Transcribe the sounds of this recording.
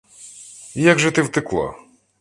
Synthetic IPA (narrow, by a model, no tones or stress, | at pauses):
jaɡʐɛt̪ɪwt̪ɪklˠa̰